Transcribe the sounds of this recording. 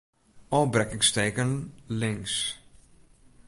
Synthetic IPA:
ɔbrɛkɪŋsteːkənlɪŋs

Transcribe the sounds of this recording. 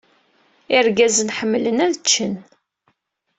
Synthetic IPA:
iɾɡæzənħəmːlənæðt͡ʃːən

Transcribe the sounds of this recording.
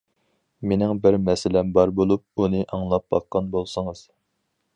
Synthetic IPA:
menɪŋbɪɾmɛsɪlɛmbɑɾbolˠup̚unɨʔɑŋlˠɑp̚bɑqːɑnbolˠsəŋəz̥

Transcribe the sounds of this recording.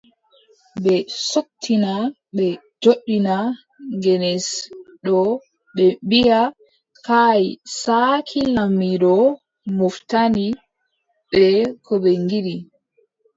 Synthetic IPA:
bɛsoktʰːina | ɓɛ | d͡ʒoɗːina | ŋɡɛnɛsɗɔ | ɓɛbija | kajsakʰilamiɾɔ | muftani | ɓɛkʰɔɓɛŋɡiɾi

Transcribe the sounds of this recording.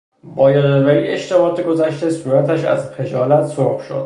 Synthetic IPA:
bɒːjɒɾeveieʃt̪ebɒːt̪ʰeɡo̞zæʃt̪e̞suːɾæt̪ʰæʃæ̰zpʰe̞d͡ʒɒːlæt̪soɾχʃo̰d̪̥

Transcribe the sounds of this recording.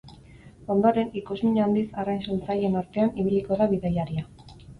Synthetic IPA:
o̞nd̪oɾe̞nikuzmiɲand̪isarajnsunt͡saje̞naɾt̪e̞aniβiliko̞ðaβiðajaɾia

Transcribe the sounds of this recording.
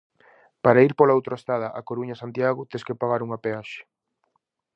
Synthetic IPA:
paɾaiɾpolaowt̪ɾoest̪aðɐʔakoɾuɲɐsant̪jaɣʊt̪eskepaɣaɾuŋɐpeaʃe̥

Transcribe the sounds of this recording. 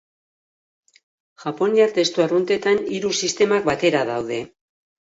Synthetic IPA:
ʝapo̞niaɾt̪e̞st̪uarunt̪e̞t̪aniɾusist̪e̞mak̚bat̪e̞ɾaðawðe̞

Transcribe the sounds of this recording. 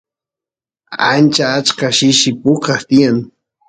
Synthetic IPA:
ant͡ʃaːt͡ʃkaʃɪʃɪpʊkaχt̪ɪjaŋ

